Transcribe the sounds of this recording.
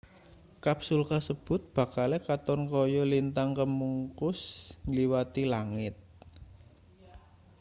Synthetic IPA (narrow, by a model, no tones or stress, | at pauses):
kapsulkasəb̥ʊ̤t̪̚b̥ä̤kalɛkat̪ɔnkɔjɔlint̪aŋkəmuŋkʊsŋliwat̪ilaŋɪt̪̚